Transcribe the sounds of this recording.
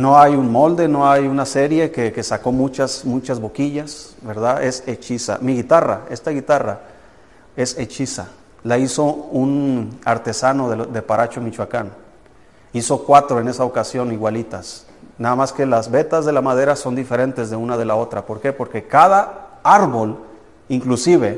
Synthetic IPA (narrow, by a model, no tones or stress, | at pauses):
no̞ajunmo̞ld̪e̞no̞ajunase̞ɾje̞keke̞sako̞mũt͡ʃasmut͡ʃazβo̞kiʝasβe̞ɾðae̞se̞t͡ʃisa̰miɣit̪ara̰e̞st̪aɣit̪ara | e̞se̞t͡ʃisa | laiso̞unaɾt̪e̞sano̞ðed̪e̞paɾʔat͡ʃomit͡ʃwakan | iso̞kwat̪ɾo̞e̞ne̞sao̞kasjo̞niɣwalit̪as | naðamaske̞lazβe̞t̪azðe̞lamaðe̞ɾaso̞nd̪ife̞ɾe̞nt̪e̞zðe̞unað̞e̞lao̞t̪ɾapo̞ɾke̞po̞ɾke̞kaðaaɾβo̞l | iŋklusiβe̞